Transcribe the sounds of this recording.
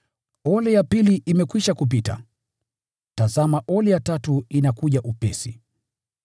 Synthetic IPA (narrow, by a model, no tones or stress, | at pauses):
ɔlɛjapiliʔimɛkwiʃakup̬ita̰ | tazamaʔɔlɛjatatuinakuʄaʔupɛsi